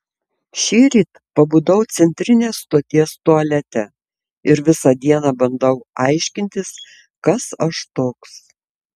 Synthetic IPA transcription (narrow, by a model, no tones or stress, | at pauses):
ʃʲiːɾʲiːt̪ | pɐbuːd̪ɐʊt̪sʲɛnʲt̪ʲɾʲɪnʲeːst̪oːt̪ʲiɛst̪uɐlʲɛt̪ʲɛ | ɪɾʋʲɪsɑd̪ʲiɛnɑːbɐnd̪ɐʊɐɪʃʲkʲɪnʲt̪ʲɪs | kɐsɐʃt̪oːks